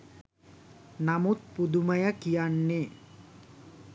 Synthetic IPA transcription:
namut̪̚pud̪umɐjakijaɳːe

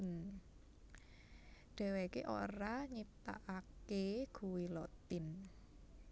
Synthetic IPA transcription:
n | ɖ̥ɛ̤wekḛʔo̰ɾaɲit̪a̰ʔakeɡ̥ṳwilɔt̪ɪn

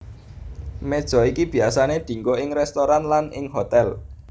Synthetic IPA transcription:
med̥ʒ̥ɔ̤ikib̥i̤asaned̪̥i̤ŋɡoɪŋɾɛst̪oɾanlanɪŋɦot̪ɛl

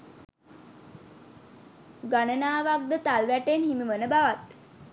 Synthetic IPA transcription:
ɡanənaːʋak̚d̪ət̪alʋæʈenhiməʋənəbaʋat̪

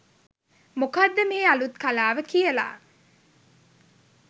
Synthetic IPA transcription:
mukad̪ːəmeːalut̪kalaːʋəkijəla̰ː

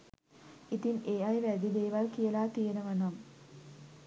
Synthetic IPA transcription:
it̪ineːɐjʋæd̪id̪eːʋɐlkijəlaːt̪ijenəʋɐnɐm

